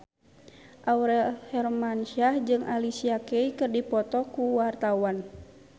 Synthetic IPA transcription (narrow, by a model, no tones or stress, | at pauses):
ʔauɾɛlhɛrmanʃad͡ʒɨŋʔalisiakɛikɨrdipɔt̪ɔkuwart̪awan